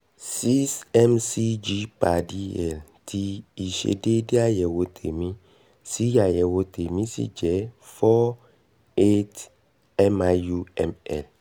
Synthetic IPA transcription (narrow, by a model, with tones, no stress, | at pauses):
si˦sɛ˦msi˦d͡ʒi˦pa˨di˦ɛ˨ltʰiː˦˨ʃḛ˨de˦di˦a˦jɛ˨wo˨tʰḛ˨mĩ˦ | si˦ja˨jɛ˨wo˨tʰe˨mĩ˦sḭ˦d͡ʒɛ˨˦fɔ˦ | e˦t | ɛ˦ma˨ju˦ɛ̰˦˨mɛ̰˨l